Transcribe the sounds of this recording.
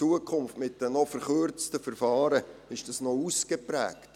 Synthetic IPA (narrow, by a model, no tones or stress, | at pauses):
uəkʰχʊmftmɪtːdənɔfəɾχøɾt͡stəfəɾfɑːɾəɪʃd̥ɑsnɔuskepɾɛ̰ːkt